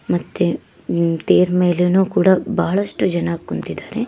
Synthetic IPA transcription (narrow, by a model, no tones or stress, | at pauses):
mɐt̪ːe | t̪eːɾmeːlenuːkuːɽɐbɐɦɐɭɐʂʈud͡ʒɐnaːkːunt̪id̪aːɾe